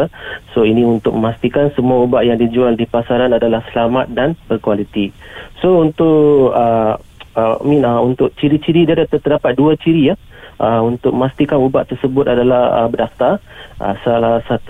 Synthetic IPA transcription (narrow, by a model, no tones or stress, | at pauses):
soinĩunt̪ʊk̚məmast̪ikansəmuaubaʔjaŋdid͡ʒualdipasaɾanadalahsəlamat̪̚danbərkualit̪isount̪ʊʔə | mĩnaunt̪ʊʔ̚t͡ʃiɾit͡ʃiɾidadat̪ət̪ədapat̪̚duat͡ʃiɾija | ʔəunt̪ʊk̚məmast̪ikanubaʔt̪ərsəbʊt̪adalahə̰bədaft̪ar | ʔə̰salahsat̪